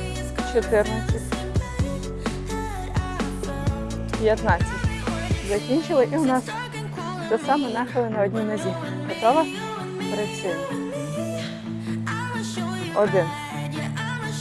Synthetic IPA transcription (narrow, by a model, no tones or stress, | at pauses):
t͡ʃɔt̪ɪrnɐt͡sʲɐtʲ | pʲjɐt̪nat͡sʲːɐtʲzɐkʲinʲt͡ʃɪlˠɪʔiʊnɑs | t̪ɔsɑmɛnɑxɐlˠɪnɐɔdʲnʲinezʲi | ɦɔt̪ɔʋɐ | pɾɪsʲɪn | ɔd̪ɪn